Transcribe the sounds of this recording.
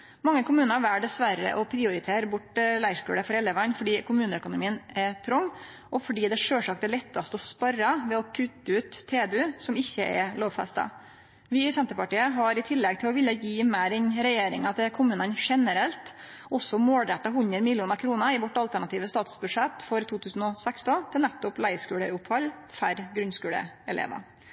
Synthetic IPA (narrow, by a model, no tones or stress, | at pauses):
mɑŋːəkʰʊmʉːnəɾʋæːɖɛsʋæɾə̰ʔɔpʰɾɪʊɾɪt̪ʰeːɾbʊʈlæɪʂkʉ̰ːɽəfɔɾɛlːəʋɑnːfɔɖiːkʰʊmʉːnəœkʊnʊmiːənɛt̪ʰɾɔŋː | ʔɔfɔɖiːd̪ɛʂøːʂɑk̚t̪ɛlɛt̪ːɑst̪əɔspɑrɑʋɛɔkʰʉt̪ːəʉːt̪ʰːeːbʉsɔmɪçːəʔɛ̰loːʋfɛ̰st̪ɑ̰ | ʋɪsɛnt̪əɾpɑʈiːəɦɑɾɪt̪ʰɪlːɛɡ̚t̪ʰɪlɔʋɪlːəjiːmæːɾɛnɾɛjeːɾɪŋɑt̪ʰɪkʰʊmʉːnənʂɛnəɾɛlt̪ | ɔsːɔmoːld̪ɾɛt̪ːɑɦʉnd̪ɾəmɪlɪuːnɑɾkʰɾuːnəɾɪʋɔʈːɑlt̪æɳɑt̪iːʋəst̪ɑːt̪sbʉd̪ʂɛt̪ːfɔɾt̪ʰuːt̪ʰʉːsn̩ɔsɛkst̪ɔnt̪ʰɪlnæt̪ːʊplæɪskʉːɽəʊphɑlː | fæɾɡɾʉnskʉːɽə̰ɛlḛːʋɑ̰